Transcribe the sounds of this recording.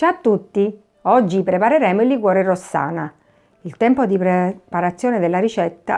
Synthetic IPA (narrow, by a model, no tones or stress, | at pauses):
t͡ʃat̪ːut̪ːi | ɔd͡ʒːipɾepaɾeɾɛːmoilːiɡwɔːɾerosːa̰ːna | ilt̪ɛmpod̪ipɾepaɾat̪sːjɔːned̪elːaɾit͡ʃɛt̪ːa̰